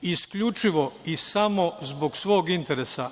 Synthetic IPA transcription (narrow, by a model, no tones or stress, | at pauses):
iskʎut͡ʃiʋo̞isamo̞zbo̞ɡsʋo̞ːɡint̪e̞ɾesa